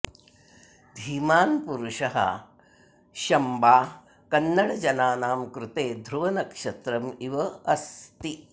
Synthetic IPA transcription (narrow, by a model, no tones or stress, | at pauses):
d̪ʱiːmaːnpuɾuʃɐɦɐ̰ | ʃɐmbaː | kɐnːɐɽɐd͡ʒɐnaːnaːmkɾut̪eːd̪ʱɾuʋɐnɐkʂɐt̪ɾɐmiʋɐɐst̪i